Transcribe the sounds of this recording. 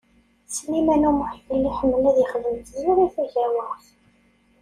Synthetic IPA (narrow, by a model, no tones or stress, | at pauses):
slimænumʊħfəlːiħəmːəlæðjəχvəmt̪ðliʁiθæʝæmʊθ